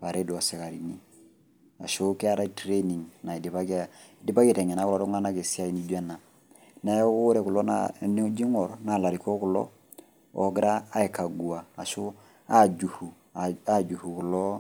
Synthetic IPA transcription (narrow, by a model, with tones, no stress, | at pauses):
pa˨ɾɛ˦da˨sɛ˨ka˨ɾi˨ni˨˦ | a̰˨ʃo˦kɛ˦a˦ɾa˦tɾe˦ni˨ŋna˨i˨di˨pa˦ka˦˨ | di˦ba˦ktɛ˨ɲɛ˨na˨˦ku˦lɔ˦tu˦ŋa˦na˦ke˨si˦a˦˨i˨ni˦d͡ʒu˦a˦na˨ | na˨jɛ˦ku˦ɾɛ˨ku˨lɔ˦na̰n˦d͡ʒi˦ŋɔ˨ɾna˨la˨ɾi˨kɔ˦ku˨lɔ̰˦ | ɔ˨ɡɪ˦ɾaː˦i˨ka˨ɡu˨aː˨ʃo˦ | a˦d͡ʒu˨hu˨ | a˦d͡ʒu˨hu˨ku˨lɔ˦